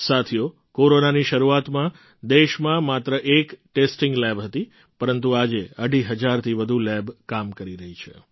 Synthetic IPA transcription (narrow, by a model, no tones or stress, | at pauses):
sat̪ʰijo | koɾonaniʃəɾuat̪mã | d̪eʃmãmat̪ɾəʔekʈesʈiŋɡlɛbɦət̪i | pəɾənt̪̬uad͡ʒeəɽiɦəd͡ʒaɾt̪ʰiʋəd̪ʱulɛbkamkəɾiɾəɦit͡ʃʰḛ